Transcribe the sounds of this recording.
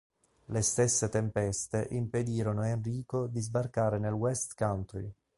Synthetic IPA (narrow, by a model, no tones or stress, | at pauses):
lest̪esːet̪empɛst̪eʔimped̪iːɾonoenriːkod̪izbarkaːɾenelwɛst̪kant̪ɾi